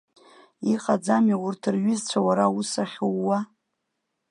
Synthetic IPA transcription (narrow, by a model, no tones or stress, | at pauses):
iqʼad͡zamiwʊrtʰɨrɥʏzt͡ɕʷʰawaɾausaχʲowːa